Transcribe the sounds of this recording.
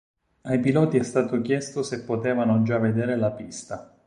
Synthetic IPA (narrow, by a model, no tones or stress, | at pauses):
ajpilɔːt̪iɛst̪aːt̪ok̟jɛst̪osepːot̪eːvanod͡ʒavːed̪eːɾelapist̪a